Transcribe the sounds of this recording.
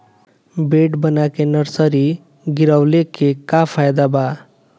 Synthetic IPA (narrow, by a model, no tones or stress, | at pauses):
beːʈbənakenəɾsəɾi | ɡɪɾəwlekekapʰajd̪aba